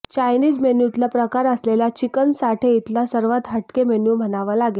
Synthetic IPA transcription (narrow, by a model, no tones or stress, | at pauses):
t͡ɕajniːd͡zmenjut̪lapɾəkaɾəslelat͡ɕikənsaʈʰeit̪lasəɾʋat̪ɦəʈkemenjum̤ənaʋalaɡe